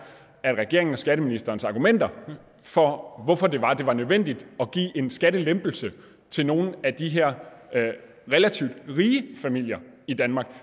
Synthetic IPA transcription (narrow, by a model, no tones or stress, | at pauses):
æd̥ʁɛɡ̥e̝ɐ̰eŋn̩ɒ̽sɡ̥æɾ̥əminisd̥ɐːn̩sɑ̈ːɡ̥umen̰d̥ɐ | fɒʋɒfɒ̽d̥e̝ʋɑ̈d̥e̝ʋɑ̈nøðˠʋen̰d̥id̥ɒ̽ɡ̥ḭːʔe̝nsɡ̥æɾ̥əlemb̥l̩sə | t͡sʰe̝lno̝ːn̩æd̥iɦeɐ̰ | ʁelæt͡sʰiʊ̰d̥ʁiːəfæmil̰jɐid̥ænmɑ̈ːɡ̥